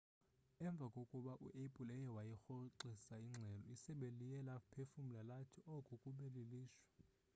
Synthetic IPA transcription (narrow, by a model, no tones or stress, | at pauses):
ɛɱb̪vʱakʼokʼuɓaʔṵʔepʼulɛjɛwajixoǀisaiŋ͡ǁʱɛlɔisɛɓelijɛlapʰefum̩lalatʰiʔɔkʼukʼuɓeleliːʃwḁ